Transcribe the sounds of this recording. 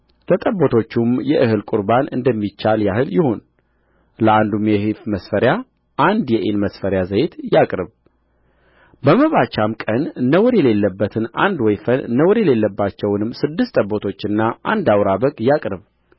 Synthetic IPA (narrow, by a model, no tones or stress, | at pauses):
lət̪ʼəbːot̪ʰo̞t͡ʃːumjɛʔɨhɨlkʼuɾbanɨ̰nd̪əmːit͡ʃːaljahɨljɪho̞n | ləʔand̪umjɛhifməsfəɾja | ʔand̪jɛʔenməsfəɾjazəjt̪jakʼɾɨβ | bəməβat͡ʃːamkʼənːəwɔɾjɛle̞lːəbːət̪ʰɨna̰nd̪wɔjfənːəwɾjɛle̞lːəbːat͡ʃːɛwnɨmːsɨd̪ːɨst̪ʼəbːot̪ʰo̞t͡ʃːɨnːaʔa̰nd̪awɾabəkʼjakʼɾɨβ